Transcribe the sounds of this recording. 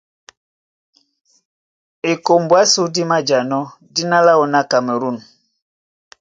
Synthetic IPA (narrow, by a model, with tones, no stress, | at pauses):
e˨ko˨mbwa˦su˦di˦ma˦d͡ʒa˨nɔ˦di˦na˦la˦o˨na˦˨ka˨me˨ɾu˦˨n